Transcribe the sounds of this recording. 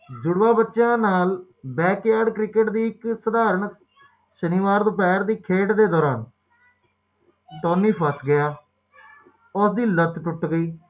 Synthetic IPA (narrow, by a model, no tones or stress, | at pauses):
d͡ʒʊɽʋaːbətːʃãːnaːl | bɛːkjaːɖkɾɪkəʈd̪iːɪksəd̪aːɾəɳ | ʃəniːʋaːɾd̪oːp̬ɛːɾd̪iːkʰeːʈd̪eːd̪ɔːɾaːn | t̪oːnːiːpʰəsɡɪjaː | ʊsd̪iːlət̪ʈ̪ʊʈɡəiː